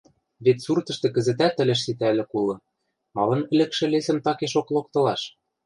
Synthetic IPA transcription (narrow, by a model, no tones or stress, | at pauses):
βet̪surt̪ɤ̆ʃt̪ɤ̆kɘ̆zɘ̆t̪æt̪ːɘ̆lʲɘ̆ʃ̬sit̪ælʲɘ̆kulɤ̆ | mɑlɤ̆nɘ̆lɘ̆kʃɘ̆lesɘ̆mt̪ɑkeʃoklok̚t̪ɤ̆lɑʃ